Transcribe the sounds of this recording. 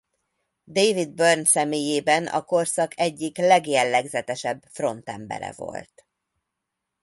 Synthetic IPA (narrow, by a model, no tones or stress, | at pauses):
d̪eːvid̪̚børnsɛmeːjeːbɛnɒ̰ko̞rsɒkʰɛɟːiklɛɡjɛlːɛɡzɛt̪ɛʃɛbfro̞nt̪ɛmbɛ̰ɾɛ̰vo̞̰lt̪